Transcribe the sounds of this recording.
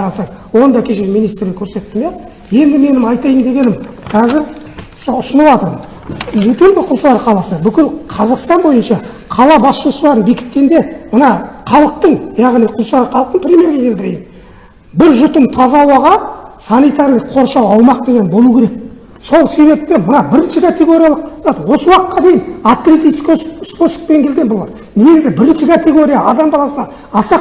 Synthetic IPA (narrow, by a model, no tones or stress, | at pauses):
ɑɾɑsɑwo̞nd̪ɑkʲʰe̞ʃeɡʲmijnijst̪ɾɡʲekʲʰɵɾse̞t̪ːɪmjɑ | je̞nd̪ɪme̞nɪmɑjt̪ɑjəmnd̪e̞ɡʲe̞nɪmkʰɑzɪɾ | soʊsənɑlwɑt̪əɾmən | et̪elɡʲɪqʰʊlˠslˠɑɾqʰɑlˠɑsəbʏkʲɪlqʰɑzɑqst̪ɑnbo̞jənʃɑ | qʰɑlˠɑbɑsʃosəlˠɑɾənbikʲɪ̥t̪ke̞nd̪e̞mənɑqʰɑlˠəq̚t̪əɴjɑʁniqʰʊlˠslɑɾqʰɑlˠəq̚t̪əɴpʰɾʲemʲeɾɡʲekʲʰeld̪ɪɾe̞jɪn | bɪɾʒʊt̪əmt̪ʰɑzɑwɑʁɑsɑnijt̪ɑɾlˠəqʰo̞ɾʃɑwɑwmɑq̚d̪e̞ɡʲe̞nbo̞lˠukʲʰe̞ɾek̚ | so̞lˠse̞βe̞p̚t̪emənɑbɪɾɪnʃɪkʰat̪e̞ɡo̞ɾʲijalˠəq̪ɑt̪əwo̞səwɑqqːɑd̪e̞jɪnat̪kɾit̪isksposə̥k̚peŋkʰʲe̞lɡʲenbolˠɑ̰ɾ | ne̞ɡʲɪzɪbɪɾɪnʃɪkʰat̪e̞ɡo̞ɾʲijaɑd̪ɑmbɑlˠɑsənɑ | ɑsɑ